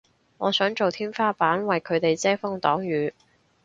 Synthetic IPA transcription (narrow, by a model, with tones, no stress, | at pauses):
ŋɔː˨˧sœː˨˥ŋt͡ʃo˨wt̪ʰiː˥mfaː˥paː˨˥nwɐ˨jkʰɵ˨˧ɥt̪e˨jt͡sɛː˥fʊ˥ŋt̪ɔː˨˥ŋɥyː˨˧